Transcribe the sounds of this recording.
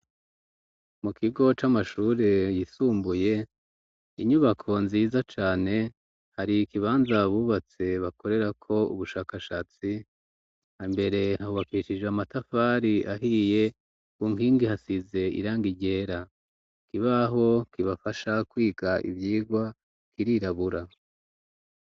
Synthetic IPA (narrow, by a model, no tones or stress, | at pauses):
mukʰiɡo̞t͡ʃamaʃuːɾe̞jisuːmbuje̞ | iɲuβakʰo̞nziːzat͡ʃaːne̞ | haɾikiβaːnzaβuːβat͡se̞βako̞ɾe̞ɾakʰo̞ṵβuʃaːkaʃaːt͡si | hambe̞ɾe̞hahoβakiʃid͡ʒeamatafaɾiʔaɦije̞ | kuːŋɡiːŋɡihasize̞ḭɾaːŋɡiɟe̞ːɾa | kiβaɦo̞kiβafaʃakwiːɡaʔḭvjiːɡwa | kiɾiɾaβuɾa